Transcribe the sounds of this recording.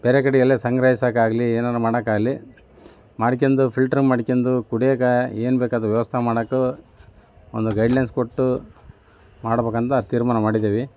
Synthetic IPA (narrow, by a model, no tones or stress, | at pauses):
b̥eɾekɐɽijɐlːesɐŋɡɾɐɦisaːkaːɡɐlieːnaːɾumaːɽɐkaːɡɐli | maːɽik̬end̪upʰilʈɐɾɐmmːaːɽikend̪ukuɽiekɐeːnbeːkaːd̪ɾuʋjʋɐst̪ʰɐmaːɽɐku | o̰nd̪uɡɐjɖlɐjnskoʈːu | maːɽɐbeːkɐnt̪ɐt̪iːɾmaːnɐmaːɽid̪eːʋi